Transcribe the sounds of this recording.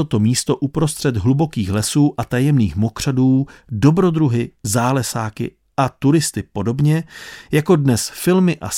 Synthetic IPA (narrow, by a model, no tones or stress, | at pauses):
ot̪o̞miːst̪o̞ʔupɾo̞st̪r̝̥ɛd̪ɦlubo̞kiːxlɛsuːʔat̪ajɛmniːxmo̞kr̝̥aduːdo̞bɾo̞d̪ɾuɦɪzaːlɛsaːkɪ̰ | ʔat̪uɾɪst̪ɪpo̞do̞bɲɛjako̞dnɛsfɪlmɪʔa̰